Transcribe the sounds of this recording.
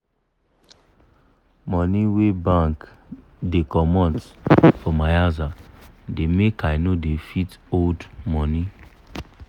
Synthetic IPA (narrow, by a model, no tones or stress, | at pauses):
mɔniwebãŋk | dekɔmɔ̃ntfɔmajazademekaɪnodefitoldmɔni